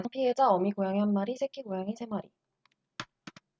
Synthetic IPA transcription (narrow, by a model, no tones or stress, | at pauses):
ŋpʰied͡ʑaʌmiɡojaŋiɦanmaɾisʰekʰiɡojaŋisʰe̞maɾḭ